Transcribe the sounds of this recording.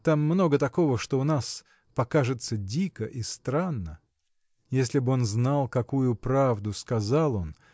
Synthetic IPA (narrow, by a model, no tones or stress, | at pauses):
t̪amːno̞ɡət̪ɐko̞vəʂt̪oʊnas | pɐkaʐɨt̪sədʲikəʔist̪ɾanːə | jesʲlʲɪbɨo̞nznalˠkɐkujʊpɾavd̪ʊskɐzalˠo̞n